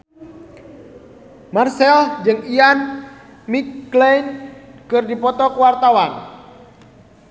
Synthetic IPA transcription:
marsɛld͡ʒɨŋian | mikːlɛnkɨrdipɔt̪ɔkəwart̪awan

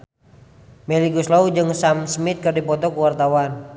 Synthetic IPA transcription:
mɛliɡuslaud͡ʒɨŋsamsmit̪̚kɨrdipɔt̪ɔkuwart̪awan

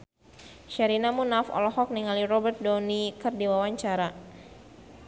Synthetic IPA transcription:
ʃaɾinamunafɔ̰lɔhɔk̚niŋalirɔbɛrt̪̚dɔnikɨrdiwawaɲt͡ʃaɾa

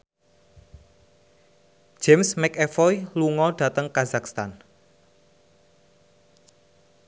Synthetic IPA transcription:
d͡ʒ̥ɛmsmɛkɛfɔjluŋɔɖ̥ä̤t̪əŋkazakst̪an

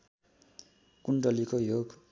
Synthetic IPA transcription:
kuɳɖʌlikojoɡ

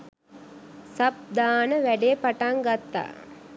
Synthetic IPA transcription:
sab̚d̪aːnəʋæɖejpaʈaŋɡat̪ːa̰ː

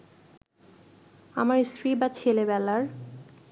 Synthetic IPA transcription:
amaɾsɾibat͡ɕʰelebɛlaɾ

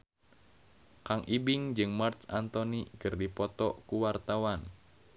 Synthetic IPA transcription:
kaŋʔibɪŋd͡ʒɨŋmart̪sant̪ɔnikərdipɔt̪ɔkuwart̪awan

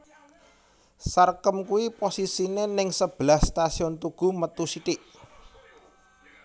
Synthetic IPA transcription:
sarkəmkuwiposisinenɪŋsəb̥lahst̪asiɔnt̪uɡ̥ṳmət̪usiʈ̪ɪʔ

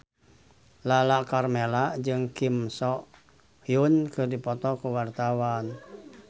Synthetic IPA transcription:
lalakarmelaʔd͡ʒɨŋkimsɔʔ | hjunkɨrdipɔt̪ɔkuwart̪awan

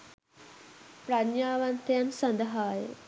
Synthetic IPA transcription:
pɾanjaːʋant̪əjansɐnd̪əɦaːjə̰

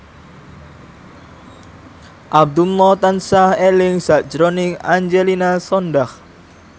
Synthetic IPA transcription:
ʔab̚d̪umɔt̪ansahelɪŋsaʔd͡ʒɾonɪŋaɲd͡ʒelinasɔndah

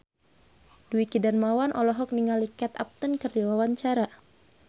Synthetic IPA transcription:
duikidanmawanʔɔlɔɦɔk̚niŋalikat̪a̰p̚t̪ənkərdiwawaɲt͡ʃaɾa

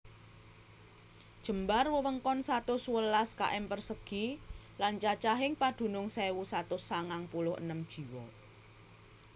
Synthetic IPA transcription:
d̥ʒ̥ə̤mbarwəwəŋkɔnsat̪ʊsuwəlaska̰ʔɛmpərsəɡ̥i | lant͡ʃat͡ʃaɦɪŋpad̪̥ṳnʊŋsɛwusat̪ʊsaŋaŋpulʊhʔə̰nəmd̥ʒ̥i̤wɔ̰

